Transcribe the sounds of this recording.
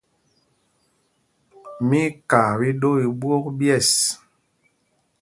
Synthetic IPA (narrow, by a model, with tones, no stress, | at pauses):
mi˦ka˨bi˦ɗo˦i˨bwo˦k̚bjɛ˦˨s